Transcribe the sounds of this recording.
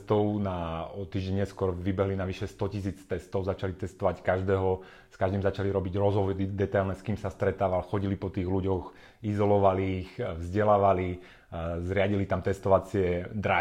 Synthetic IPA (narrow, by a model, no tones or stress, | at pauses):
st̪ɔʊnaɔt̪ːiːʒɟɛɲɛskʊɔɾʋibɛɦlinaʋiʃɛst̪ɔcis̬iːt͡st̪ɛst̪ɔʊzat͡ʃalit̪ɛst̪ɔʋackaʒd̪ɛːɦɔ | skaʒd̪imzat͡ʃaliɾɔbiɟɾɔzɦɔʋɔdid̪ɛt̪ajlnɛskiːmsast̪ɾɛt̪aːʋalxɔɟilipɔt̪iːɣluɟɔx | izɔlɔʋaliːxvzɟɛlaːʋali | zɾɪaɟilit̪amt̪ɛst̪ɔʋat͡sɪɛd̪ɾa